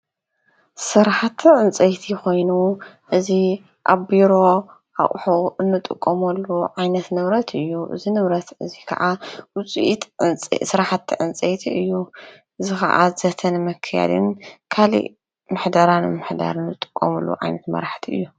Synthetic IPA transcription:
sɨɾħat̪ʰːʕɨnt͡sʼɐjt̪ʰiko̞jnu | ʔɨzi | ʔaβbiɾo̞ | ʔa̰ʔʼħuɨnːɨt̪ʼɨ̰kʼːɐmɐlːuʕajnɐt̪nɨβɾɐt̪ʰɨjːuʔɨ̰zinɨβɾɐt̪ɨzikʰɐ̰ʕawʊt͡sʼiʔit̪ʼsɨɾħat̪ʰːiʕɨnt͡sʼɐjt̪ʰiɨjːu | ʔɨzixɐ̰ʔa̰zɐt̪ʰɐnmɨkʰːɨja̰d̪ɨ̰nkʰalḭʔ | mɨħd̪aɾanɨmɨħd̪a̰ɾɨnːɨt̪ʼːɨ̥kʼːɐ̰mɐlːṵʕa̰jnɐt̪mɐ̰ɾħt̪ʰiɨ̰jːu

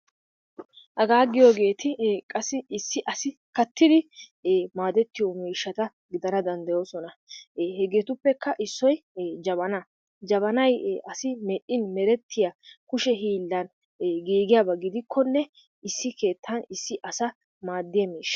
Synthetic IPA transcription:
ʔɐɡaːɡɪjoɡe̞ːt̪ɪkʼɐsːɪɪsːɪʔɐsɪkɐt̪ːɪd̪ɪ | maːd̪ɛt̪ːɪjomiːʃːɐt̪ɐ | ɡɪd̪ɐnɐd̪ɐnd̪ɐjo̞ːsɔnɐhɛɡeːt̪ʊpːɛkːɐʔɪsːɔjd͡ʒɐβɐna | d͡ʒɐβɐnɐjɐsɪmɛʔɪnmɛɾɛt̪ːɪjɐkʊʃɛɦiːlːɐn | ɡiːɡɪjabɐɡɪd̪ɪkʰːɔnːɛ | ɪsːɪke̞ːt̪ʰːɐnɪsːɪʔɐsɐ | maːd̪ːɪjɐmiːʃːɐ̥

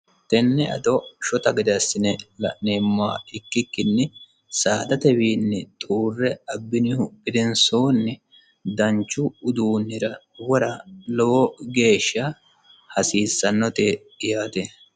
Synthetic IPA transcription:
t̪ɛnːɛɐ̰d̪ɔʃɔt̪ɐɡɪd̪ɐsːɪnɛlɐ̰ʔneːmːa̰ːɪkːɪkːɪnːɛ | saːd̪ɐt̪ɛbiːnːɛt̪ʼuːrːɛɐbːɪnɪhʊpːɪd̪ɛnsoːnːɛ | d̪ɐɲt͡ʃːʊʊd̪uːnːɪɾɐ | wɔɾɐlɔwɔɡe̞ːʃːɐ | hɐsiːsːɐnːɔt̪e | ɪjaːt̪ɛ

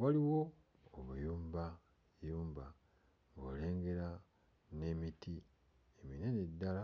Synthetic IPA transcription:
waliwo̞ː | βujuːmba | juːmba | ŋɡo̰le̞ːŋɡe̞ɾa | ne̞miti | emine̞nedːala

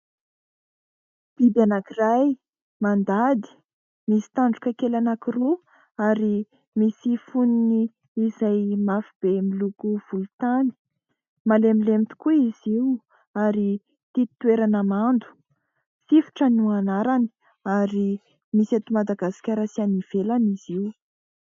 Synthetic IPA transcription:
b̥id̪anakiraj | mand̪ad̪i̥ | misi̥t̪aɳɖ͡ʐukʲakelanakiru | aɾi | misifuniniː | zajmafib̥emilukuv̥ulut̪ani̥ | malemilemit̪i̥kuiz̥iwu | aɾi | t̪it̪weɾanəmand̪u̥ | sifu̥ʈ͡ʂənuanaɾani̥ | aɾi | misat̪umad̪aɡasi̥kʲaɾasianiv̥elaniziw

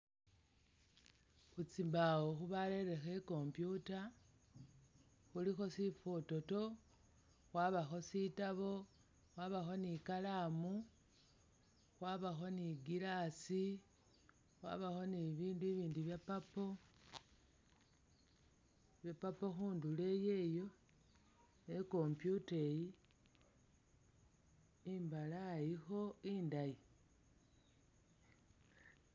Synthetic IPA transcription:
xut͡simbawoxuβale̞ɾe̞xeko̞mpjuta | xulixo̞sifoto̞to̞ | xwaːβaxo̞sitaβo̞ | xwaːβaxo̞nikalamu | xwaβaxo̞niɡilasi | xwa̰βaxo̞niβiːnduiβiːnduβjapapo | βjapapoxuːndulejeːjo̞ | neko̞mpjuteji | imbalajixo̞iːndaji

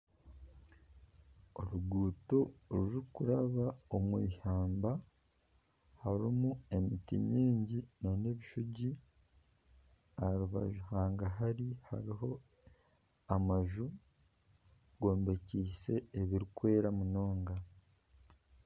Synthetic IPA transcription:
o̞ɾuɡuːtoɾuɾukuɾaβao̞mwḭːhaːmba | haɾimue̞mitḭmiːɲɟinone̞βiʃuɟi | aɾuβa̰ʒuhaːŋɡaɦaɾiha̰ɾiɦo̞ | amaʒu | ɡo̞ːmbe̞ciːse̞ːβiɾikwe̞ːɾamuno̞ːŋɡa

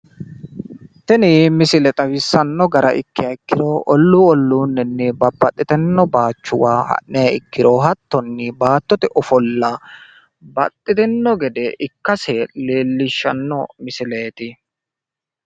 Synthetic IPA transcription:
t̪ɛnimɪsɪlɛt̪ʼɐwɪsːɐnːɔɡɐɾɐ̰ʔɪkːɪjɐɪkːɪɾoːʔɔlːuɔlːuːnːɛnːɛbɐbːɐt̪ʼːɪt̪ɛnːɔbaːt͡ʃːʊwaːhɐ̰ʔːɛjɐɪkːɪɾoɦɐt̪ːɔnːɪbaːt̪ːɔt̪ɛʔɔfɔlːa | bɐt̪ʼːɪt̪ɛnːɔɡɛd̪ɛʔɪkːɐseleːlːɪʃːɐnːɔmɪsɪleːt̪ɪ

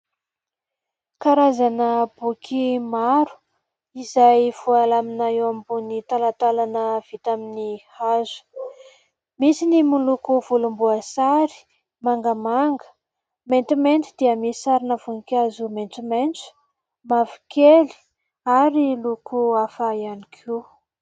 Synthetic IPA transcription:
kaɾazanəb̥ukʰimaɾu̥ | izajv̥ualaminaewambunit̪alat̪alanəv̥it̪aminihazu̥ | misinimulukuvulumbuasaɾi̥ | maŋɡəmaŋɡə̥ | ment̪iment̪id̪̥iəmisisaɾinəv̥unkʲazumenʈ͡ʂimenʈ͡ʂu̥ | mavi̥keli̥ | aɾilukʰuafajanikʰi

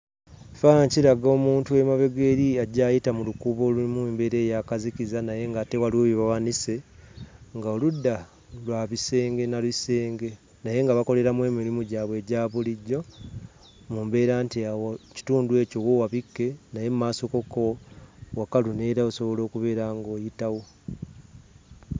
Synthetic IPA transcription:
faaciɾaɡo̞ːmuːntue̞maβe̞ɡe̞ɾiaɟaːjitamulukuːβo̞ːluimwumbe̞ɾe̞ːjakazicizanaje̞ŋɡate̞walwoβiβawanise̞ | ŋɡaoludːa | lwaːβise̞ːŋɡe̞nalise̞ːŋɡe̞ | naje̞ŋɡaβako̞le̞ɾamwe̞ːmilimuɟaːβwe̞ːɟaːβuliɟːo̞ | muːmbe̞ːɾaːntiawoci̥tuːndue̞ːco̞wowaβikːe̞naje̞mumaːso̞ko̞ko̞wakːalune̞ːɾaoso̞βo̞lo̞ːkuβe̞ːɾaŋɡo̞ːjitawo̞

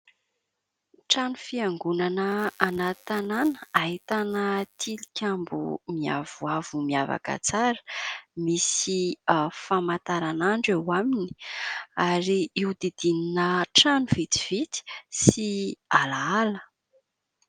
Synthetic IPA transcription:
ʈ͡ʂanufiaŋɡunanəːnat̪ananəaɦit̪anət̪ʰilikʲambṵmia̰vuavumiava̰kə̰t͡saɾə̥misifamat̪aɾanaɳɖ͡ʐewamini̥aɾiiud̪id̪ininəʈ͡ʂanuvit̪i̥v̥it̪i̥sialaalə

